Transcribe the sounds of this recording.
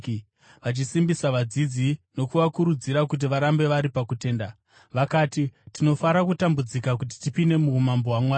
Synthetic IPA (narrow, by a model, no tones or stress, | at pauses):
ʋat͡ʃisimbisaʋad͡zid͡zino̞kuʋakuɾud͡ziɾakut̬iʋaɾambe̞ʋaɾipakute̞ːnda | ʋakaːtitino̞faɾakutambud͡zikakut̬i̥tipine̞muːmamboɦwamwaː